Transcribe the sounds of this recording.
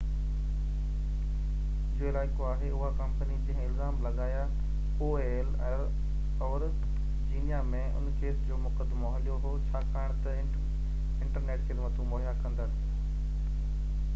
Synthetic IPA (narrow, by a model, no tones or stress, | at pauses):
d͡ʑɪɪlaːɪkoaːɦeʊɦakɐ̃mpənid͡ʑɐ̃ɦɪ̃ɪlzaːmlɐɠaːja | oːeːl | ɔːɾ | d͡ʑiːnijamẽʊ̰nkeːsd͡ʑoːmʊkəd̪moɦəlijoɦot͡ɕʰaːkaːɪɽ̃t̪ɐ | ɪ̃ɳʈəɾneːʈkʰeːlmɐt̪ʰũmoːɦijakɐ̃nd̪aːseː